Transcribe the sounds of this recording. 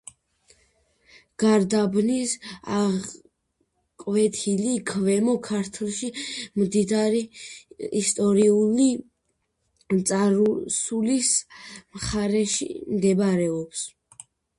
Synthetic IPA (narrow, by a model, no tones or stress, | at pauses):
ɡ̥aɾd̪abnisa | kʼvɛt̪ʰilikʰvɛmɔkʰaɾt̪ʰlˠʃimd̪id̪aɾiː | st̪ʼɔɾiuli | t̪sʼaɾusulismχaɾɛʃḭmd̪ɛbaɾɛɔps